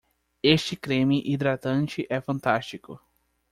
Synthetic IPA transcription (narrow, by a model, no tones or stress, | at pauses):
est͡ʃɪkɾẽmɪʔid̪ɾat̪ɐ̃nt͡ʃɪʔɛfɐ̃nt̪ast͡ʃikʊ̰